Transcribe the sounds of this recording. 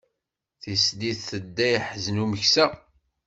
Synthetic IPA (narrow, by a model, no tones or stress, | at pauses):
θisd̪iθθəd̪ːæjħznuməçsæ